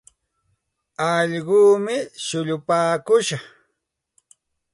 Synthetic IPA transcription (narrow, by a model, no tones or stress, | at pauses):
ɑʎɢuːmɪʃʊʎʊpaːkʊʃɑχ